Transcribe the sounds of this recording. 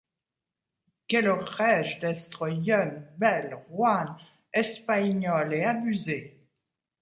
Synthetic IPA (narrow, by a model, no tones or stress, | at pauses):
kʲɛləʁɛʒd̪ɛst̪χəjœnbɛlʁwan | ɛspaɲɔlɛabyze